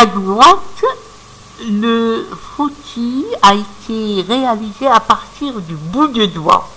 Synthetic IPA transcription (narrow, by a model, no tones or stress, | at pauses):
aɡuʁɑ̃t̪ | ləfot̪ʰiaet̪ʰeʁealizeapaʁt̪iʁd̪ybud̪əd̪wa̰